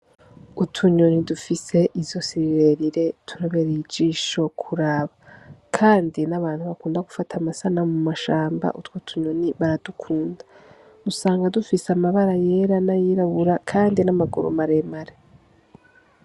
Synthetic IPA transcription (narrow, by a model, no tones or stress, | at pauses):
utʰuɲonidufise̞ʔizjo̞siβiβe̞ɾiɾe̞tʰuɾaβeɾiid͡ʒiʃo̞kʰuɾaːβakʰaːndinaβaːn̥huβakuːndaɡufatʰamasanamumaʃaːmba̰ʔutwotʰuɲoniβaɾad̥ukʰuːndḁ | musaːŋɡadufiseamaβaɾaje̞ɾanajiɾaβuɾakʰaːndinamaɡṵɾo̰maɾe̞maɾe